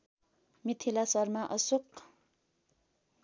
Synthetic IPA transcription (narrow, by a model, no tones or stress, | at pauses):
mit̪ʰilasarmaʔəsoq̚